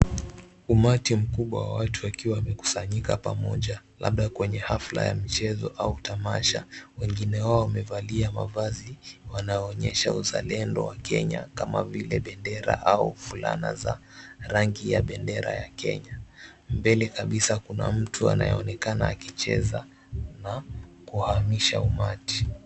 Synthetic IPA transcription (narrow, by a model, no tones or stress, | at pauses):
umatim̩kuɓwawa̰watʰuakiwawamɛku̥saɲikapamɔʄala̰ɓɗakwɛɲɛhafla̰ja̰mit͡ʃɛzɔʔautamaʃawɛŋɡinɛwaɔwamɛvaliamavaziwanajɔːɲɛʃauzalɛndɔwakɛɲakamavilɛɓɛndɛɾa̰ʔaufula̰na̰zaɾaŋɡijaɓɛndɛɾajakɛ̰ɲambɛlɛkaɓisakuna̰m̩tʰua̰najɔɔnɛkanaːkit͡ʃɛza | nakuhamiʃaumati̥